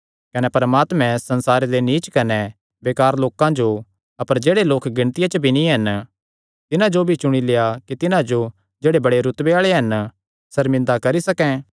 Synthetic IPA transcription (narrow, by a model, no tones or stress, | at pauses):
kɐnɛpɐɾmaːt̪mɛ̃sɐ̃nsaːɾed̪eniːt͡ʃkɐnɛ | beːkaːɾloːkãd͡ʒo | ɐpəɾd͡ʒeːɽeloːkɡɪ̃ɽ̃t̪ɪjat͡ʃəbʱinĩɦɐn | t̪ɪnãd͡ʒobʱit͡ʃʊɽ̃ilejakit̪ɪnãd͡ʒo | d͡ʒeːɽebɐɽeɾʊt̪beaːɭeɦɐn | sɐɾmɪ̃nd̪akɐɾisɐkɛ̃ː